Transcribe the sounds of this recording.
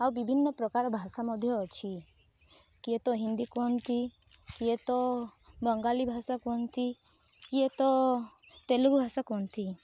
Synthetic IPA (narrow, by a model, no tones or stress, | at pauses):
awbibʱinːɔpɾɔkaɾɔbʱasamɔd̪ʱjɔːt͡ʃʰi | kiet̪ɔɦind̪ikɔnt̪ʰi | kiet̪ɔbɔŋɡalibʱasakɔnt̪ʰikiet̪ɔ | t̪eluɡbʱasakɔnt̪ʰi